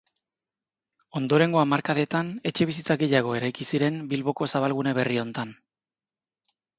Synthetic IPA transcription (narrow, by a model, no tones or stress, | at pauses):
o̞nd̪o̞ɾe̞ŋɡo̞amaɾkaðe̞t̪ane̞t͡ʃe̞βis̬it͡saɣe̞jaɣ̞o̞e̞ɾajkisiɾe̞mbilβo̞ko̞saβ̞alɣ̞une̞β̞e̞rio̞nt̪an